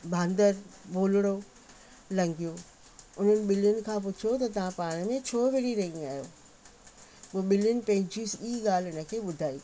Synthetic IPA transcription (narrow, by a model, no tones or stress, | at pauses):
bʱãːnd̪əɾboːlɽ̃o | lɐ̃ŋɡijo | ʊn̤ənɪ̆ɓɪljʊnɪ̆kʰãːp̬ʊt͡ɕʰot̪ɐt̪ɐʋ̤ãpaːɽ̃əmẽt͡ɕʰoːʋeːɽiɾɐɦĩaːɦjoː | poːɓɪljʊnɪ̆pɐ̃ɦɪ̃ɲd͡ʑisiːɡaːl̤ɪnə̆kʰeːɓʊd̪ʱaːi